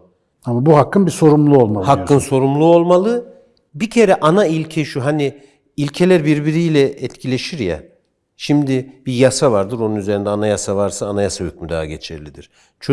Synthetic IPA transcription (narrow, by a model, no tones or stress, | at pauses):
amabuɦakʰːɯnbiso̞ɾumlˠuo̞lˠmalˠhakʰːɯnso̞ɾumlˠuo̞lˠmalˠɯ | bicʰeɾɛʔanailʲcʰɛʃuɦani | ilʲcʰelʲæɾbiɾbiɾijlʲɛːt̪cʰilʲe̞ʃiɾja̰ | ʃimd̪ibijasavaɾd̪ɯɾo̞nunyze̞ɾind̪ɛanajasavaɾsaːnajasahyc̚ʲmyd̪a̰ːaɟet͡ʃʰɛ̰ɾlʲid̪iɾ̥ | t͡ʃʰ